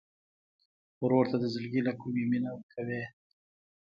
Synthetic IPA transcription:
ɾoɾt̪ad̪əzɪlɡilakumiminawəkʰawe

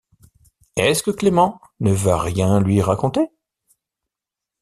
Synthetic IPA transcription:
ɛskəklemɑ̃ | nəvaʁjɛ̃lɥiʁakɔ̃t̪e

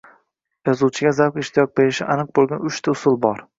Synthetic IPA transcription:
jɒzuwt͡ʃʰɪɡʲazawkʲɪʃt̪ʰijɒk̚be̞ɾɪʃɪ̰ʔanɨq̚bolˠɡʲanʊʃt̪ʰaʊsʊlˠbɒɾ

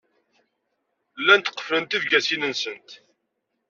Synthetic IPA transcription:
lːænt̪ə̥qːə̥flənt̪ivɡæsinənsənt̪

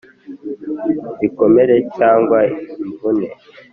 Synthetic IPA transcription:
diko̞meɾe̞caːŋɡwaiɱvune

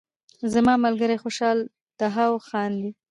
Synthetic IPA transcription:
zamɑmalɡəɾaxoʃɑl | d̪̥aɦawxɑnd̪i

